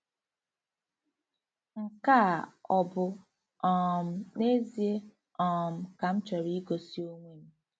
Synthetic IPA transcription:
ŋ̩˨ka˦˨ɔ˨bʊ˨ | ɔ˨m̩˦ne˦zi˨e˦ | ɔ˨m̩˨ka˨m̩˦t͡ʃɔ˨ɾi˦ɡo˨si˦o˦ŋʷe˦˨ŋ̩˦

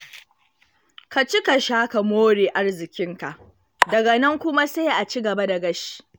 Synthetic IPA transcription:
ka˨t͡ʃi˦ka˨ʃaː˦ka˨moː˦ɽeː˨ʔa˦rzɪ˨kʲɪ˦ŋka˨ʔ | dɐ˨ɡɐ˨nɐ˦ŋkʷʊ˦ma˦se˦jʔa˨t͡ʃi˦ɡɐ˨ba˦da˨ɡɐ˦ʃi̥˦˨

